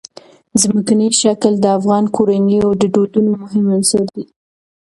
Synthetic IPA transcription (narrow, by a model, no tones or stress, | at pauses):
zməkaniʃakld̪əafɣɑnkʰoɾaniawd̪əɖod̪unomʊɦɪmansaɾd̪i